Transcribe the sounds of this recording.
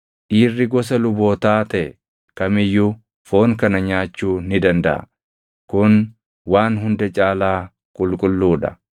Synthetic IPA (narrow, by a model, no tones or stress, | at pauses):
ᶑiːrːɪɡɔs̬ɐlʊbo̞ːt̪aːt̪ɛɛ | kɐmɪjːʊ | fo̞ːŋkɐnɐɲaːt͡ʃːuːnɪd̪ɐnd̪ɐʔɐ̰ | kʊn | waːnɦʊnd̪ɛt͡ʃʼaːlaː | kʼʊlkʼʊlːuːᶑɐ̰